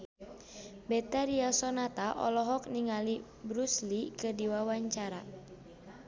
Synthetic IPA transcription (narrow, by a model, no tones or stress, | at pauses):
bɛt̪aɾiasɔnat̪aʔɔ̰lɔɦɔk̚niŋali | bɾuslikədiwawaɲt͡ʃaɾa